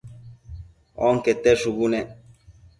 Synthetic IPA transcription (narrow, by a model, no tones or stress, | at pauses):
ɔ̰ŋ̩kɛt̪ɛsubunɛ